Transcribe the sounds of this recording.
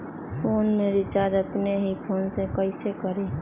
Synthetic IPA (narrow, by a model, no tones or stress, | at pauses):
pʰoːnmeɾit͡ʃad̪əpneɦipʰoːnsekəɪsekəɾe